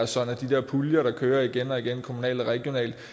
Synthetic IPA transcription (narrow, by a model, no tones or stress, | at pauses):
ɐsɒ̽n̩æd̥id̥e̝ɐpʰuljɐɾɑ̈kʰøːɐiɡ̥enɒ̽iɡ̥enkʰo̝munɛ̰ːld̥ɒʁɛɡ̥jo̝nɛ̰ːld̥